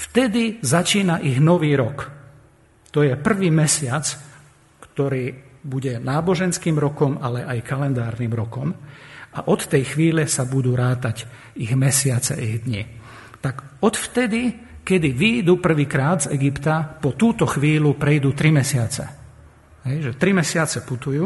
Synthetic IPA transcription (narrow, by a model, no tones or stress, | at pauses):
ft̪ɛd̪izat͡ʃiːnaʔiɣnɔʋiːɾɔk | t̪ɔjɛpr̩ʋiːmɛsɪat͡s | kt̪ɔɾiːbuɟɛnaːbɔʒɛnskiːmɾɔkɔmalɛʔajkalɛnd̪aːɾniːmɾɔkɔmaʔɔt̪ːɛjxʋiːlɛsabud̪uːɾaːt̪aɟ | iɣmɛsɪat͡sɛ̰ʔiɣd̪ɲḭ | t̪aɡ | ɔt̪ft̪ɛd̪i | kɛd̪iʋiːd̪uːpr̩ʋiːkɾaːd̪zɛɡipt̪apɔt̪uːt̪ɔxʋiːlupɾɛjd̪uːt̪ɾimɛsɪat͡sɛ̰ | ɦɛjʒɛt̪ɾimɛsɪat͡sɛput̪ujuː